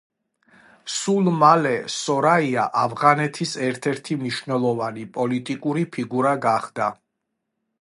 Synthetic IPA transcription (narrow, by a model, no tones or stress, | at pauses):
sulˠmalɛsɔɾaiaʔavʁanɛt̪ʰisɛɾt̪ʰɛɾt̪ʰimniʃvnɛlˠɔvanipʼɔlit̪ʼikʼuɾipʰiɡuɾaɡaχd̪a